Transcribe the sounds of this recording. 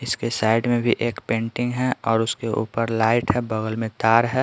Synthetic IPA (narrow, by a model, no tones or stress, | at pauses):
ɪskesaːɪɖmẽbʱiʔeːkpẽːɳʈɪ̃ŋɡɦɛɔːɾʊskeʔṵːpəɾlaːɪʈɦɛbɐɣəlmẽt̪aːɾɦɛː